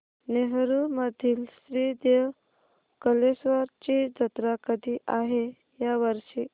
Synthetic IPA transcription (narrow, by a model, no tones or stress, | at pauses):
neɦɾuməd̪ʱiːlsɾiːd̪e | kəlesʋaɾt͡ɕid͡zət̪ɾakəd̪ʱiːʔaɦe | jaʋəɾʂiː